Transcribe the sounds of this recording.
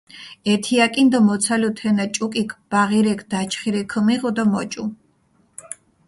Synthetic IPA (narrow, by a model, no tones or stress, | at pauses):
ɛt̪ʰiakʼind̪ɔmɔt̪sʰalut̪ʰɛnat͡ʃʼukʼikʰb̥aʁiɾɛkʰd̪at͡ʃʰχiɾɛkʰəmiʁɔd̪ɔmɔt͡ʃʼu